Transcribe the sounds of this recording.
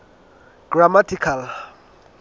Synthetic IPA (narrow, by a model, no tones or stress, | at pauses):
ɡ̥ramatʰikʰal